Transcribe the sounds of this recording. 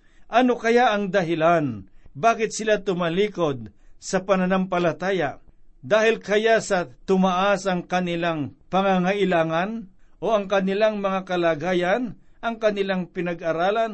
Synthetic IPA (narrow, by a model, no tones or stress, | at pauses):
ʔɐnokɐjaʔɐŋd̪ɐɦɪlanbaːkɪt̪̚sɪlat̪ʊmɐliːkod̪̚sɐpɐnɐnampɐlɐt̪aːjad̪aːhɪlkɐjasɐt̪ʊmaʔasɐŋkɐnɪlaŋpɐŋaŋaʔɪlaːŋanʔoɐŋkɐnɪlaŋmɐŋakɐlaːɡaːjan | ʔɐŋkɐnɪlaŋpɪnɐɡ̚ʔɐɾaːlan